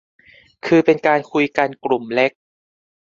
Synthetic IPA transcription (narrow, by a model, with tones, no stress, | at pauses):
kʰɯː˧pe˧nkaː˧nkʰu˧jka˧nkɾu˨˩mle˦˥k̚